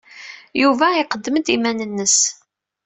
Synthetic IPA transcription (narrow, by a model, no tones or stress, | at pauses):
juvæɪqəd̪ːəmd̪imænənːəs